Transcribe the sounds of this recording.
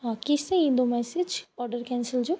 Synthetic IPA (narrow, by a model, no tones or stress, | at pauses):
ãkɪsẽĩnd̪omɛːsɪd͡ʒɔːɾɖəɾkɛ̃ːnsəld͡ʒoː